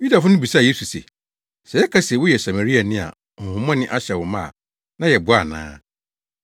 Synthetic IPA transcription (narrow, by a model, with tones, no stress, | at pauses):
ji˦da˨fʊ˦nʊ̃˦bi˨sa˦˨je˦su˨sḛ˨ | sɛ˨jɛ˦kʰa˦sɛ˨wʊ˦jɛ˨sa˨ma˨ɾi˦a˨nɪ̃˦a̰˨ | ŋ̩˨hʊ̃˨mɔ̃˦nɪ̃˦ʔa˦ɕɛ˨wʊ˨mã˦a̰˨ | nã˦jɛ˨bʊ˨˦a˨nã̰ː˦